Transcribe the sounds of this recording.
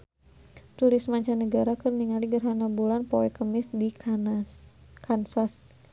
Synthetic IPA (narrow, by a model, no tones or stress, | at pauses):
t̪uɾɪsmaɲt͡ʃanəɡaɾakərniŋaliɡərɦanabulanpowɛkəmɪsdi | kansas